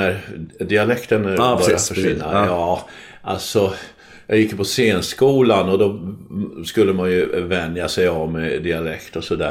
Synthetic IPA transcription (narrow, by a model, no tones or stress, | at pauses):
æɾd̪ɪalɛkt̪ənbœɾjjaffœʂɪnːa̰jɑː | ʔa̰lsɔ | jɑːɡjɪkːpʰɔseːnskuːlanɔd̪ɔ | skɵlːəmanjɵvɛnd̪jasɛjavmɛd̪ɪalɛkt̪ɔsɔd̪æ̰ː